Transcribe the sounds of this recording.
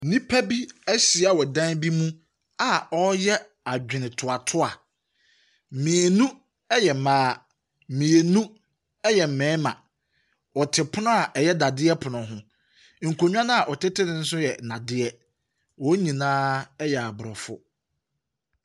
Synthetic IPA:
nĩ˦pʰæ˦bi˦æ˦ɕi˨a˦wɔ˨dã˦nbi˦mũ˦ | a˨ɔ˦jɛ˦ | a˨d͡ʑᶣɪ˨nɪ̃˨tʰʊ˨a˨tʰʊ˦a˨ | mĩ˨e˨nũ˦ | ɛ˦jɛ˨mãː˦˨ | mĩ˨e˨nũ˦ | ɛ˦jɛ˨m̩˨mɛ̃ː˨˦mã̰˨ | wɔ˨tʰɪ˨pʰʊ˦nʊ̃˦a˨ʔɛ˨jɛ˦da˨dɪ˦ɛ˦pʰʊ˨nʊ̃˨ɦʊ̃˦ | ŋ̩˨kʰo˨ɲᶣ˦ã˦nã˦a˨ʔɔ˨tɪ˦tʰɪ˦nɪ̃˦n̩˦s̬ʊ˦jɛ˨nã˨dɪ˦ɛ˦ | wɔ˨˦ɲĩ˨nãː˦ɛ˦jɛ˨a˨bʊ˨ɾɔ˨fʊ̰˦

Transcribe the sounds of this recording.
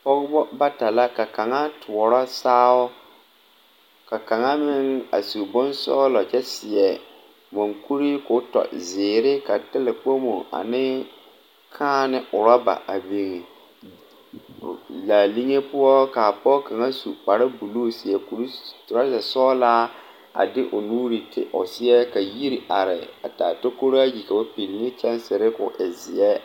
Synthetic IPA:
pɔ˦ɣʊ˦bɔ˦ba˦ta˨la˦ka˨ka˨ŋa˦tʰʊ˨ɔ˨ɾɔ˦saː˦wɔ˦ | ka˨ka˨ŋa˦mɪ˦ŋa̰˨su˨bʊ˦nsɔ̰ː˦lɔ˨t͡ʃɛ˦sɪ˨ɛ˨ | mɔ˨ŋku˦ɾi˦kʊ˦tɔ̰˨zɪː˨ɾɪ˦ka˨tɪ˦lɪ˨k͡po˦mo̰˨a̰˨nɪ˦ | kʰaː˦nɪ˦ʔʊ˨ɾɔ˦ba̰˨a˨bi˦ŋe˨ | laː˨li˦ŋe˦pʊ˦ɔ˦ka˨pɔ˦ka˨ŋa˦su˨k͡pa˨ɾa˦bu˨loː˦sɪ˨ɛ˦ku˨ɾi˦tʊ˨a˦zɛ˨sɔː˦laː˦ | a̰˨dɪ˦ʔʊ̰˨nuː˦ɾi˨tɪ̰˨ʔʊ˨sɪ˦jɛ˦ka˨ji˦ɾi˨ʔa˨ɾɪ̰˨a̰˨taː˨to˦ko˦ɾa˦ji˨ka˨ba˦pi˨lnɪ˦t͡ʃɛ˦nsɪ˨ɾɪ˦kʊ˨ʔɪ˨zɪ˨ɛ˦

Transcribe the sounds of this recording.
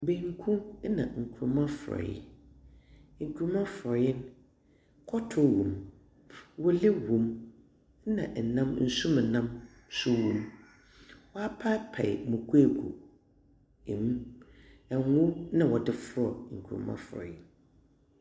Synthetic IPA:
bẽ˨ŋ˦kʰũ˦nã̰˨ŋ̩˨kʰu˨ɾmã˦fʊ˨ɾɔ̰˨jɪ̰˨ | ŋ̩˨kʰu˨ɾmã˦fɾɔ˨jɪ˦n | kʰɔ˦tʰʊ˦wũ˨m | wɔ˦le˦wũ˨m˦ | nã̰˨ʔn̩˨nã˦mn̩˦˨sũ˦m˨nã˦m | sʊ˦wũ˨m | wɔ˦a˦pʰa˦pʰɛ̰˨ɪ̰˨mũ˨kʰu˦e˨ɡṵ˨ | e˨mũ˦ | ɛ˨˦ʊ̃˦nã˨wɔ˨dɪ˨fʊ˦ɾɔ˨ŋ̩˨kʰu˨ɾmã̰˦fʊ˨ɾɔ̰˨jɪ̰˦n

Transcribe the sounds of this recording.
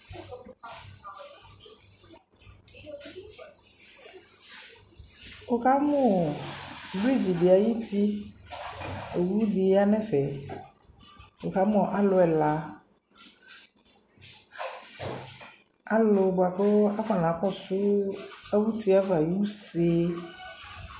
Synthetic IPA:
o˨ka˦mũ˦˨vɾi˦˨d͡ʑi˨di˨a˨ji˦t̪i˦ | e˨wu˦di˨˦a˦nɛ̃˦fɛ˨ | o˨ka˨˦mɔ̃˨ʔa˦lʊ˨ɛ˨la˨ | a˦lʊ˨ɡ͡ba˨kɔ˦a˦ka˨nã˨˦kɔ˦sʊ˦e˦wu˦t̪i˦a˦va˨ji˦u˦se˦

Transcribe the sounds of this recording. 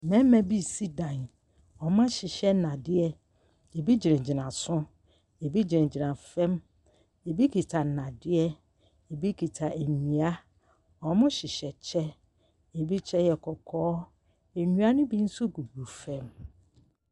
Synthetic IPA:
nɛ̃˦m˦mɛ̃˦bi˦˨si˦dã˨n | ɔ˨mã˦ɕɪ˨ɕɛ˦nã˨dɪ˦ɛ˦ | e˨bi˦d͡ʑɪ˨ɾɪ̃˨d͡ʑɪ˨nã˨sʊ̃˦ | e˨bi˦d͡ʑɪ̃˨d͡ʑi˨nã˨fɛ̃˦m | e˨bi˦kʰi˨tʰa˨nã˨dɪ˦ɛ˦ | e˨bi˦kʰi˨tʰa˨e˨ɲĩ˨a˦ | ɔ˨mʊ̃˦ɕɪ˨ɕɛ˨t͡ɕʰɛ˦ | e˨bi˦t͡ɕʰɛ˦jɛ˨kʰɔ˨kʰɔː˦ | e˨ɲũ˦a˦nʊ̃˦bi˦n̩˦sʊ˦ɡu˨ɡu˨fɛ̃˦m

